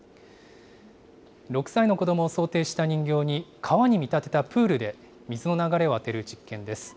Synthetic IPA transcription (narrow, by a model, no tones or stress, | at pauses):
ɾo̞kɯ̟̥saino̞ko̞d̪o̞mo̞ːso̞ːt̪e̞ːɕi̥t̪aɲ̟ĩŋɡʲo̞ːɲ̟ikʰaβaɲ̟imʲit̪at̪e̞t̪apɯ̟ːɾɯ̟d̪e̞ | mʲizɨno̞naɡaɾe̞oat̪e̞ɾɯ̟d͡ʑikːẽ̞nd̪e̞sɨ̥